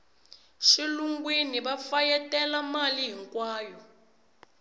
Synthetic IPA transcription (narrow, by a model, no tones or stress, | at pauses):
ʃiluŋɡwiniɓafajɛtɛlamaliɦiŋkwaːjɔ